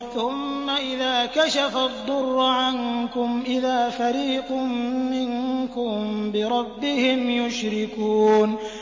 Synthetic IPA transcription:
θʊmːaʔɪðaːkaʃafad̪ˤːʊrˤːʊʕankʊmʔɪðaːfaɾiːqʊmːɪnkʊmbɪɾˤɑbːɪhɪmjʊʃɾɪkuːn

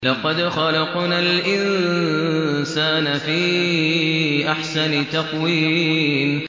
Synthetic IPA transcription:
lɑqɑd̪xɑlɑqnalʔɪn | saːnafiː | ʔaħsant̪ɑqwiːn

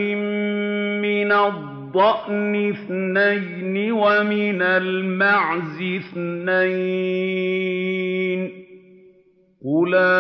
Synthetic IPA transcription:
ɪm | mɪnadd̪ˤːɑʔnɪθnajnɪwamɪnalmaʕzɪθnaj | n | qʊla

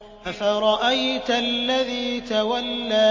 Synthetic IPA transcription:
ʔafaɾˤɑʔajt̪aʔlːaðiːt̪awalːaː

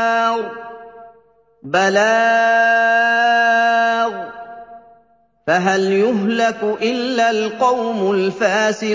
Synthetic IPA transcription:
ɾˤ | balaː | ɣ | faɦaljʊɦlakʊʔɪlːalqɑwmʊlfaːsɪ

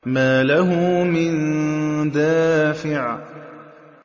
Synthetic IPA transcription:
maːlaɦʊmɪnd̪aːfɪʕa

